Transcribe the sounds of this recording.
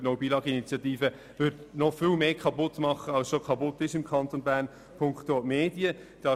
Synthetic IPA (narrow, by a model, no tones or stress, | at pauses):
noʊbiːlɑːɡəinit͡sjɑtiːfə | vʏdnɔfɪːlmeːkʰɑpʊtmɑχəɑlsʃokʰɑpʊtːɪʃɪmkʰɑnt̪onbæːʁn | pʰʊŋktoːmeːdiəd̥ɑ